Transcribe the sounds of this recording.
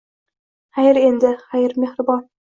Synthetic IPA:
hajɪɾend̪ɪχajɪɾmehɾɪbɑn

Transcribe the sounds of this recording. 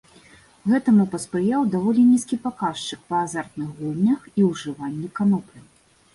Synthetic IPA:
ɣɛt̪ɐmupɐspɾɨjawd̪avɔlʲinʲiskʲipakaʂt͡ʂɨk̚pɐːzart̪̚nɨxɣulʲˠnʲɐxiwʐɨvanʲːɛkanɔpʲɨ

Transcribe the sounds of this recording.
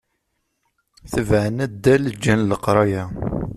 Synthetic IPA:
θəvʕənæd̪ːæləd͡ʒːænləqɾˤɑjæ

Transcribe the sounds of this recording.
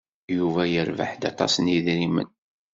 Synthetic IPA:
juvæjəɾva̰ħd̪ɑt̪ˤɑ̰sniðɾimə̰n

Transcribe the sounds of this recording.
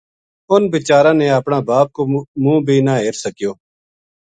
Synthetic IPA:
ʊnbɪt͡ʃaːɾãːneːəpɳãːbaːp̚koːmũːbʱiːnaːɦɪɾsəkɪjoː

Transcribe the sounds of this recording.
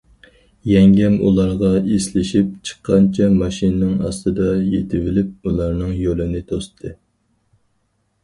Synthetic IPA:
jɛŋɡʲɛmṵlˠɑɾʁɑeslɪʃip̚t͡ʃʰə̥qʰːɑnt͡ʃʰɛmɑʃinɨnɨŋɑ̰st̪ɨd̪ɑjet̪ʰɪvɪlɪp̚ulˠɑɾnɨŋjølɪnɪt̪ʰost̪ʰɨ

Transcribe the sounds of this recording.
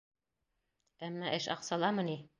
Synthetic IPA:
æmnæʔɘʃɑ̰qsɑlˠɑmɤ̆ni

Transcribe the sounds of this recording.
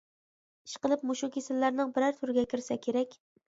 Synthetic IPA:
i̥ʃqəlˠɨp̚moʃukʲesɪlːæɾnɪŋbɪɾæɾt̪ʰʊɾɪɡʲɛkʲɪɾsɛkʲʰeɾɛkʲ

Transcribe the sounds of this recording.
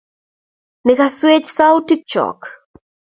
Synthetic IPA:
nɪkaswet͡ʃsaʊtik̚t͡ʃɔ̰k

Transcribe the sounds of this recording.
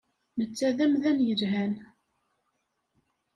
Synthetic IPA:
nət͡sːæðæmðænjəɾɦæn

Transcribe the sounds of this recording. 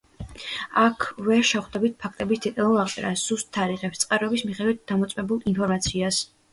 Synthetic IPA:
akʰvɛɾʃɛχd̪ɛbit̪̚pʰak̚ʰt̪ʼɛbist̪ʰit̪ʼalˠɔaqʼt̪ʼɛɾa̰sz̥ust̪ʰːaɾiʁɛpst̪sʼqʼaɾɔɛbismiχɛd̪wit̪̚d̪amɔt̪sʼwɛbulˠinpʰɔɾmat̪sʰias

